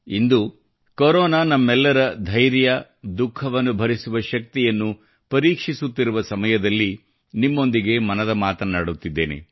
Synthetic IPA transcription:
ind̪u | koɾɔːnaːnɐmːɛlːɐɾɐd̪ʱɐjɾjɐ | d̪ukʰːɐʋɐnːubʱɐɾisuʋɐʃɐk̚t̪ijɐnːu | pɐɾiːkʂisut̪ːiɾuʋɐsɐmɐjɐd̪ɐlːi | nimːo̞nd̪iɡe̞mɐnɐd̪ɐmaːt̪ɐnaːɽut̪ːid̪ːḛːnḛ

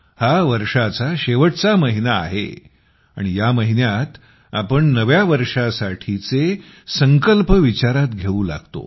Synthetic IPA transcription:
haʋəɾʂat͡saɕeʋəʈt͡saməɦina̰ːɦḛ | a̰ɽ̃ijaməɦinjat̪ | a̰pəɳnəʋjaʋəɾʂasaʈʰit͡se | səŋkəlpəʋit͡ɕaɾat̪ɡʱeũːla̰ɡt̪o̰

